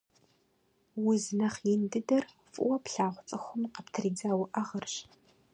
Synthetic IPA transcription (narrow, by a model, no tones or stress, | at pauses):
wʊznɐχjɪndɨdɐr | fʼʊ̰wɐpɬaːʁʷʊt͡sʼɨxʷʊmqɐptʰriːd͡zaːwʊʔɐʁɐrɕ